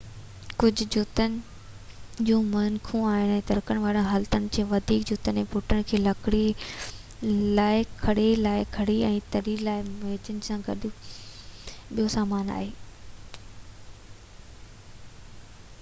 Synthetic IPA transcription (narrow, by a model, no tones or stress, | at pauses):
kʊd͡ʑʱʊ̆d͡ʑʊt̪ənɪ̆ | d͡ʑũːmɐnkʰũaːɦɪñɛ̃ːt̪ɐɾkəɽ̃̆ʋaːɽə̃ɦaːlt̪ənɪ̆kʰeːʋɐd̪ʱiːkd͡ʑʊt̪ənɛ̃ːpʊʈʰəɽ̃kʰeːlɐkɪɽi | laːɪkʰɐɽelaːɪkʰɐɽiɛ̃ːt̪ɐɾilaːɪmeːd͡ʑənɪ̆sãɡɐ̰ɗ | ɓijosaːmaːna̰ːɦeː